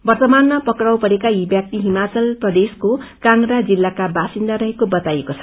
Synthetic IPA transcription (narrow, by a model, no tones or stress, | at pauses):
bʌrt̪ʌmanːapʌkrawpʌɾekaibjak̚t̪iɦimat͡sʌlprʌd̪eskokanɾad͡zilːakabasind̪aɾʌɦekobʌt̪ajekot͡sʰʌ̥